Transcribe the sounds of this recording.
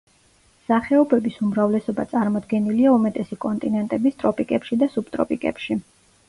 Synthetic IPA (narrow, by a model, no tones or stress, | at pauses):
saχɛɔbɛbisumɾavlɛsɔba̰t̪sʼaɾmɔd̪ɡɛniliaumɛt̪ʼɛsikʼɔnt̪ʼinɛnt̪ʼɛbist̪ʼɾɔpʼikʼɛpʃid̪asubt̪ʼɾɔ̰pʼikʼɛ̰pʃi